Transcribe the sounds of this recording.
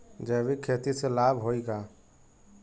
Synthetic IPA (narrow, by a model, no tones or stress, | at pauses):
d͡ʒəbikʰːeːt̪iselaːbʱɦoiɡa